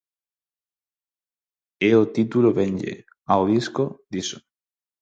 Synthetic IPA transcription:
eot̪it̪uloβeɲʲʎḛ | aoðiskod̪iso̥

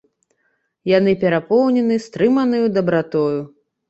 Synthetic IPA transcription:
janɨpʲɛɾapɔwnʲɛnɨst̪ɾɨmɐnɨjud̪ɐbɾat̪ɔju

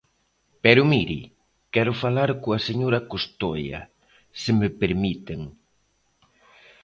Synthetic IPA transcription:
pɛɾʊmiɾḭ | kɛɾʊfalaɾkoɐseɲoɾɐkost̪ojɐ̰ | sɪmepeɾmit̪eŋ

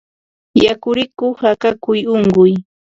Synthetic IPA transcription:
jakʊɾɪkʊhakakʊjʊŋɢʊj

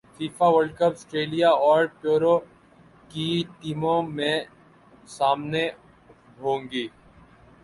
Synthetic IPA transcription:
fiːfaʋəlɖkəpsʈɾeːlijaɔːɾpjoːɾo | kiʈiːmõmẽ | saːmne | ɦõːŋɡiː

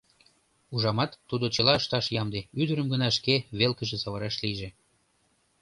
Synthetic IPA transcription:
uʒɑmɑt̪ːud̪ot͡ɕəlɑəʃt̪ɑʃjɑmd̪eyd̪əɾəmɡənɑʃkeβelkəʒesɑβɑɾɑʃliʒe

